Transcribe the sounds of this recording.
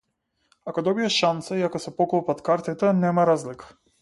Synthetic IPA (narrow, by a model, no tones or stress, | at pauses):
akɔd̪ɔbiaʃant̪saiakɔsɛpɔklˠɔpat̪kaɾt̪it̪ɛnɛmaɾazlikḁ